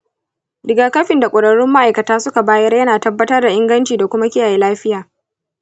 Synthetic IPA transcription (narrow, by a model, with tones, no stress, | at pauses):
dɪ˨ɡaː˨kɐ˦ɸɪ˨nda˨kʷʼʊ˨ɽɐ˨ɽɪ˦mːa˦ʔa˨jkɐ˨taː˦sʊ˦ka˨baː˦jɐ˦rjɐ˦naː˨tɐ˦bːɐ˦tɐ˦rda˨ʔɪ˦ŋɡɐ˦nt͡ʃiː˨da˨kʷʊ˦ma˦kʲɪ˦jaː˨jeː˦laː˦ɸɪ˦jaː˨